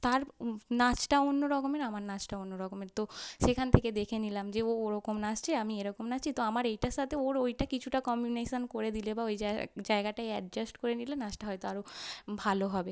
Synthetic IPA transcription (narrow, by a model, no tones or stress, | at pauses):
t̪aɾnat͡ɕʈaonːoɾɔkomeɾamaɾnat͡ɕʈaonːoɾɔkomeɾt̪oʃekʰant̪ʰeked̪ekʰenilamd͡ʑeooɾɔkomnat͡ɕt͡ɕʰeamieɾɔkomnat͡ɕt͡ɕʰit̪oamaɾejʈaʃat̪ʰeoɾojʈakit͡ɕʰuʈakɔmuneʃonkoɾed̪ilebaojad͡ʑaeɡaʈaeɛɖ̚d͡ʑasʈkoɾenilenat͡ɕʈaɦɔjt̪oaɾobʱaloɦɔbe